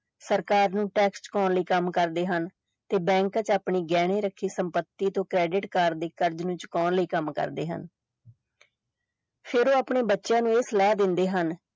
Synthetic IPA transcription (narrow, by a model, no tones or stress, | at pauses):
səɾkaːɾnũːʈɛːkst͡ʃkɔːnləiːkəmkəɾd̪eːɦən | t̪eːbɛ̃ːŋkət͡ʃaːpɳiːɡɛːɽ̃eːɾəkʰːiːsəmpət̪ːiːt̪õːkɾɛːɖɪʈkaːɾd̪eːkəɾd͡ʒnũːt͡ʃkɔːnləiːkəmkə̰ɾd̪ḛːɦə̰n | pʰɪɾoːaːpɳeːbətːʃjãːnũːeslɛːd̪ɪnd̪eːɦən